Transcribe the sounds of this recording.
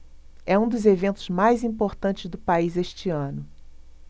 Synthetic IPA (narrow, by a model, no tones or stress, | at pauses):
ɛũd̪ʊzevẽnt̪ʊzmajzĩpoɾt̪ɐ̃t͡ʃɪzd̪ʊpaizeʃt͡ʃɪɐ̃nʊ